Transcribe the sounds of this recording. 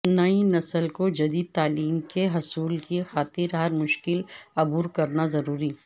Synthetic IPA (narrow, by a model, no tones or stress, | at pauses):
nɐĩnɐsəlkod͡ʒɐd̪iːd̪̚t̪aːliːmkeɦɐsuːlkixaːt̪ɪɾɦɐɾmʊʃkɪlɐbuːɾkɐɾnazɐɾuːɾiː